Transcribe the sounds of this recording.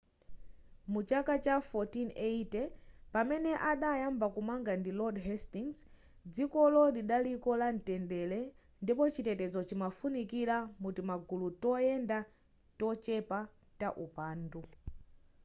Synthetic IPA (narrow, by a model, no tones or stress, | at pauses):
mut͡ʃakat͡ʃafɔtineitɛpamɛnɛʔaɗajambakumaŋɡandilɔdɦɛstiŋs | d͡zikɔlɔɗiɗalikɔlan̩tɛndɛlɛ | ndipɔt͡ʃitɛtɛzɔt͡ʃimafunikilamutimaɡulutɔjɛnda | tɔt͡ʃɛpa | taʔupaːndu